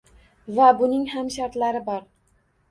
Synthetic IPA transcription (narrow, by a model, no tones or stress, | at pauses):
vabʊnɪŋhamʃaɾt̪laɾɪbɒɾ